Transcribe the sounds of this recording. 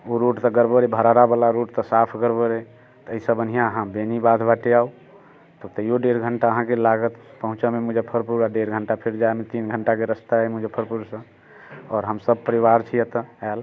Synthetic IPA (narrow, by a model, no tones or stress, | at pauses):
oɾoʈt̪ɔɡəɾbəɾebʱəɾaɾabəlaɾoʈt̪ɔsapʰɡəɾbəɾe | t̪ɔəisəbən̤ijãəɦãbenibad̪ʰʱbaʈeau | t̪ɔt̪əijoɖeɾɡʱəɳʈaəɦãkelaɡət̪pəɦũt͡ʃəmemud͡ʒepʰəɾpuɾaɖeɾɡʱəɳʈapʰeɾd͡ʒaemet̪inɡʱəɳʈakeɾəst̪aɦɛmud͡ʒepʰəɾpuɾsə̃ | ɔːɾɦəmsəb̚pəɾiʋaɾt͡ʃʰijɛt̪əɛl